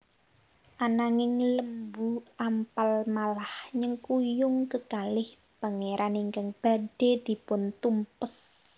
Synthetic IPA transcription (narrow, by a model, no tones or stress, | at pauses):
ʔanaŋɪŋləmbuʔampalmalahɲəŋkujʊŋkəkalɪh | b̥a̤ŋeɾʔaniŋkaŋb̥a̤ɖb̥e̤d̪̥i̤pʊnt̪umpəs